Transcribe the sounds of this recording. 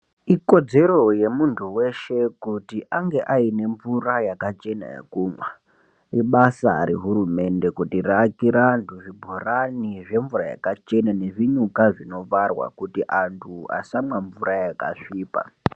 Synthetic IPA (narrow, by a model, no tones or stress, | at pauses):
iko̞d͡ze̞ɾo̞je̞muntʰuwe̞ʃe̞kutiʔaŋɡe̞ʔaine̞ɱvurajakat͡ʃe̞na̰ḛkumwa | iɓasa̰ɾiɦuɾume̞nde̞kutirakiɾantʰuʐibʱoraniʐe̞ɱvuraja̰kat͡ʃe̞nane̞ʐiɲukaʐino̞ʋarwa̰kutiʔantʰua̰samwaɱvuɾajaka̰ʂiːpa̰